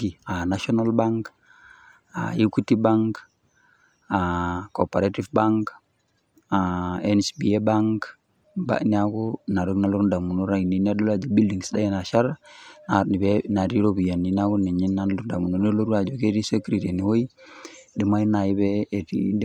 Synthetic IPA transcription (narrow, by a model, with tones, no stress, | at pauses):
ɡi˨a˨na˦ʃɔ˦na˦lba˦ŋk | a̰˨ju˦ku˦ti˦ba˦ŋk | a˨ko˨pa˨ɾa˦ti˦fba˦ŋk | a˨ɛ˦nsbi˨e˦ba˦ŋk | ba̰˨ni˦a˦ku˦na˨ɾo˦kna˦lu˦ɾnda˨mu˨nu˦ɾa˦i˨ni˨ni˦a˦do˦la˦d͡ʒe˨bi˦ldi˨ŋsda˦je˦˨na˨ʃa˦ɾna˨ni˨be˦na˨ɾi˦ɾo˦bu˨ja˨ni˨na˦ku˦ni˨ɲi˦nːa˦lu˦da˨mu˨no˨ne˦lo˦ɾu˦a˨d͡ʒo˨ke˦ɾi˦se˦kɾi˨te˨ni˨wo˦i˦di˨ma˦i˦na˨i˦bɛ˦˨tḭ˦d